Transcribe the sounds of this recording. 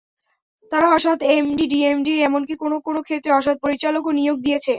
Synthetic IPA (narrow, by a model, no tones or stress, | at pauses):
t̪aɾaaʃad̪emɖiɖiemɖiɛmonkikonokonokʰet̪ːɾeaʃad̪̚poɾit͡ɕalokonijoɡ̚d̪ijet͡ɕʰe